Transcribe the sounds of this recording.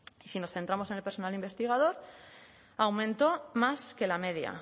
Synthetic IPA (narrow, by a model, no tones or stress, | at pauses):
isino̞sθe̞nt̪ɾamo̞senelpe̞ɾso̞nalimbe̞st̪iɣ̞aðo̞ɾ | awmẽ̞nt̪o̞maske̞lameðja̰